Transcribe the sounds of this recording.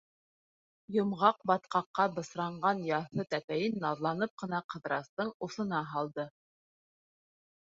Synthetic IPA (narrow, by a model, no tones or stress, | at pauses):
jŏmʁɑqbɑt̪qɑqːɑbɤ̆sɾɑɴɢɑnjɑθɤt̪æpæjɘnːɑðlˠɑnɤp̚qɤ̆nɑqɤ̆ðɾɑst̪ɤɴuθɤ̆nɑɦɑlˠd̪ɤ